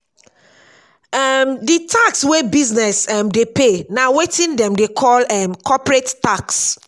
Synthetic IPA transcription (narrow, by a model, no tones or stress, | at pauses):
ɛmditʰakswebiznɛsɛmdepenawetĩndɛ̃mdekʰɔlɛmkʰɔpɹettaks